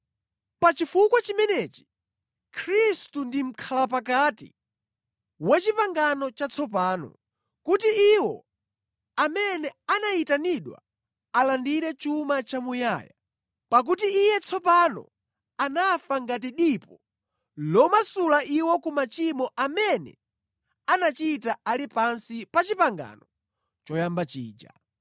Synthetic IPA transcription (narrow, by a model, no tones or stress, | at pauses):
pat͡ʃifukwat͡ʃimɛnɛt͡ʃi̥ | kʰɾistundim̩kʰalap̬ak̬atḭ | wɛt͡ʃipaŋɡanɔt͡ʃat͡sʰɔpaːnɔ̰ | kutiiwɔ̰ | amɛnɛanaitaniɗwa̰ | alandiɾɛt͡ʃumat͡ʃamuja̰ːja | pak̬utiːjɛt͡sʰɔpanɔ̰ | anafaŋɡat̬iɗipɔ | lɔmasulaʔiwɔkumat͡ʃimɔʔamɛnɛ̰ | anat͡ʃitaalipansipat͡ʃipaŋɡa̰nɔ | t͡ʃɔjambat͡ʃḭːd͡ʒa̰